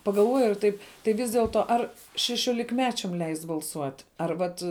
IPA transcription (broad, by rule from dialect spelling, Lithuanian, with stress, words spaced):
pɐɡɐlˠˈʋoːjʊ ɪr ˈtɐɪp tɐɪ ˈʋʲɪs dʲiɛlˠˈtoː ˈɐr ʃʲɛʃʲoːlʲɪkˈmʲæːt͡ʃʲɛm ˈlʲɛɪsʲtʲ bɐlˠˈsuɔtʲ ɐr ˈʋɐt